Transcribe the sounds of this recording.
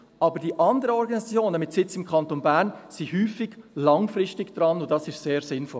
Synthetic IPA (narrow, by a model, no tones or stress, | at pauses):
ɑːbəɾdiʔɑnd̪əɾəɔɾɡɑnisɑt͡sjoːnəmɪtsɪt͡sɪmkχɑntonbæːɾnsihyːfɪɡ̥lɑŋfrɪstɪɡd̥ɾɑnʊdɑsɪʃseːɾsɪnfɔl